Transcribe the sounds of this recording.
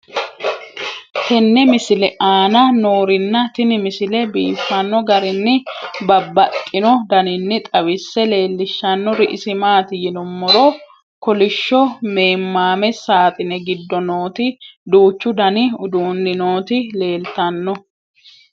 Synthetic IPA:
t̪ɛnːɛmɪsɪlɛʔaːnɐnoːɾɪnːɐt̪ɪnɪmɪsɪlɛbiːfːɐnːɔɡɐɾɪnːɪbɐbːɐkʼːɪnɔd̪ɐnɪnːɪt̪ʼɐwɪsːɛle̞ːlːɪʃːɐnːɔɾɪʔɪsɪmaːt̪ɪjɪnɔmːɔɾɔ | kɔlɪʃːɔme̞ːmːaːmɛsaːt̪ʼɪnɛɡɪd̪ːɔnoːt̪ɪd̪uːt͡ʃːʊd̪ɐnɪʊd̪uːnːɪno̞ːt̪ɪle̞ːlt̪ɐnːɔ

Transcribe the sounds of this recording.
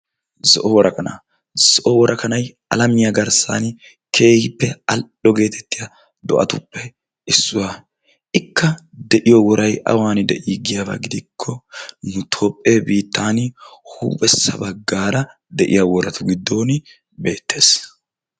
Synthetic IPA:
zɔʔɔwɔɾɐkʼɐna̰ | z̥ɔʔɔwɔɾɐkʼɐnɐj | ɐ̰lɐmɪjɐɡɐɾsa̰n | kʰe̞ːhɪpːɛɐl | ɔɡe̞ːt̪ʰɛt̪ːɪjɐ | d̪ɔ̰ʔɐ̰t̪ʊpːɛ | ɪsːʊwa | ɪkʰːɐd̪ɛʔɪjɔwɔɾɐjʔɐ̰waːnɪd̪ɛʔiːɡɪjaba̰ɡɪd̪ɪkʰːɔnʊt̪ʰoːpʼːeːbiːt̪ːaːnhuːbʼɛsːɐ̰bɐɡːaːɾɐ | d̪ɛʔɪ̰jawɔɾɐt̪ʰʊɡɪd̪ːo̞ːn | be̞ːt̪ːe̞ːs

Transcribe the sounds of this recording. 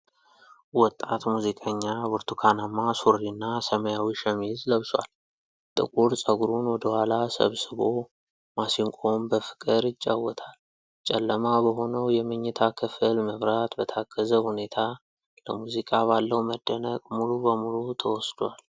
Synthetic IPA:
wɔt̪ʼːat̪muzikʼəɲːabuɾt̪ʰukʰanamːasuɾinːasəməjawiʃəmizləβswa̰l | t̪ʼɨ̰kʼuɾsʼəɡuɾunwɔd̪əhʷalasə̰βsɨβo | masiŋkʼombəfɨ̥kʼɨɾɪt͡ʃʼːawɔt̪ʰal | t͡ʃʼɛlːəmabəɦo̞nəwjɛmɨɲːɪt̪ʰakʰɨfɨlməβɾat̪bət̪ʰaɡəzəhune̞t̪ʰa | ləmuzikʼaβalːəwməd̪ːənəkʼmulubəmulut̪ʰəwɔsd̪wal

